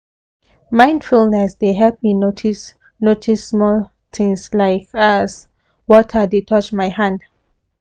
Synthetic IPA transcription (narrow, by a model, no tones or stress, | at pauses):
mãɪ̃ndfulnɛsdeɦɛp̚minotʰis | notʰismɔl | t̪ʰɪ̃ŋslaɪkas | wɔtʰədetʰɔt͡ʃmajhãnd